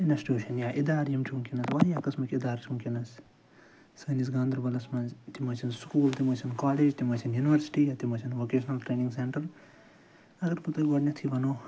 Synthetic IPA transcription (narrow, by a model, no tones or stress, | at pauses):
inɐsʈuːʃɐnjaːʔid̪aːɾjɐmt͡ʃʰuŋkʲinɐsʋaːjakɐsmɐkʲid̪aːɾt͡ʃʰuŋkʲinɐs | səːnisɡãːnd̪ɐɾbɐlɐsmɐnzt̪imɐːt͡ʃʰinskuːlt̪imɐt͡ʃʰinkaːleːd͡ʒt̪imɐt͡ʃʰinjuːniʋɐɾsi̥ʈiːjat̪imɐt͡ʃʰinʋoːkeːʃɐnɐlʈɾeːniŋɡseɳʈɐɾ | ɐɡɐɾput̪ɐɡɐɽnʲɐt̪ʰiʋɐnoː